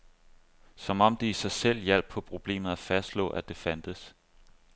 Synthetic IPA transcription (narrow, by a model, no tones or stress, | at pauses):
sɒ̽mɒ̽m̰d̥iisɑ̈ɪsel̰jæl̰b̥̚ʰɒ̽pʰʁo̝b̥le̝̰ːmð̩ˠæfæsd̥lɔ̰̽ːʔæd̥e̝fænd̥əs